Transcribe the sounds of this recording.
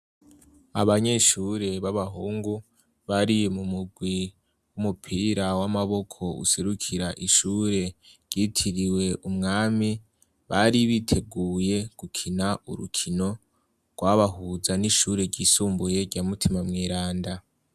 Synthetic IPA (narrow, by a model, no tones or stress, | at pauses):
a̰βaɲe̞ʃuɾe̞βaβaɦuːŋɡu | βaɾijemumuɡwi | wumupʰiːɾawamaβo̞kʰo̞ṵse̞ɾukʰiɾaʔiʃuːɾe̞ɾɟitʰiɾiwe̞ʔumŋaːmi | βaɾiβitʰe̞ɡuːje̞ɡ̥ukʰinaṵɾṵkʰino̞ | ɡ̥waβaɦuzaniʃuːɾe̞ɾɟiːsuːmbuje̞ɾɟaːmutʰimamŋiːɾaːnda